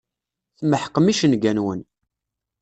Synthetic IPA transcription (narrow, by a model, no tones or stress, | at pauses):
θməħəqːəmiʃənɡænwən